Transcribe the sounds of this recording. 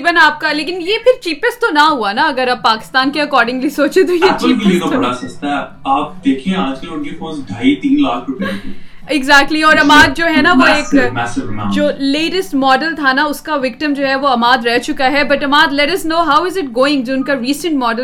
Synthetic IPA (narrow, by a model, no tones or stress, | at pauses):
bənaːp̚kaleːkɪ̃njepɪɾt͡ʃiːpəsʈ̪t̪ːonaɦuanaɐɡəɾaːpːaːkɪ̥st̪aːnkeɐkɔːɾɖɪ̃ŋɡlisoːt͡ʃet̪ojet͡ʃiːpiekaɐɽasɐst̪aɦɛ | aːp̚d̪eːkʰiẽaːd͡ʒkɐlʊnkifõːnsɖʱaːit̪iːnlaːkʰɾʊpiẽki | ɪɡzæːk̚ʈliɔːɾɐmaːd̪̚d͡ʒoːɦɛnaʋoeːkmɛːsɪʋnad͡ʒoːleːʈəsʈmɔːɖəlt̪ʰanaʊskaʋɪkʈəmd͡ʒoːɦɛʋoɐmaːd̪ɾɛɦt͡ʃʊkaɦɛbɐʈɐmaːd̪lɛʈɐsnoːɦaːʊɪzɪʈ̚ɡoːɪ̃ŋɡd͡ʒoːʊnkaɾiːsə̃ɳʈmɔːɖə